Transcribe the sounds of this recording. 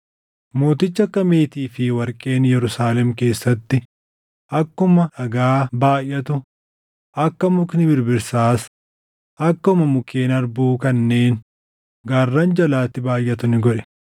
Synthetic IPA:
mo̞ːt̪ɪt͡ʃːɐkːɐmeːt̪iːfɪwɐɾkʼe̞ːnjɛɾʊsaːlɛmke̞ːsːɐt̪ːɪ | ɐkːʊmɐᶑɐɡaːbaːjʔːɐt̪ʊ | ɐkːɐmʊknɪbɪɾbɪɾsaːs | ɐkːɐʊmɐmʊke̞ːnɐɾbuːkɐnːe̞ːn | ɡaːrːɐnd͡ʒɐlaːt̪ːɪbaːjːɐt̪ʊnɪɡɔᶑɛ̥

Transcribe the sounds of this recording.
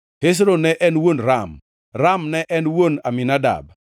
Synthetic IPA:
hes̬ɾonɛʔɛnwonɾam | ɾamnɛʔɛnwonaminada̰b

